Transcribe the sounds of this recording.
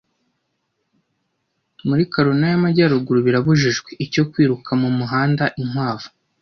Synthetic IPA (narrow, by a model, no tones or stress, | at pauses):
muɾikoɾonajamaɟaːɾuɡuɾuβiɾaβuʒiʒɡweico̞kwiːɾukʰamumuɦaːndaʔiŋwaːvu̥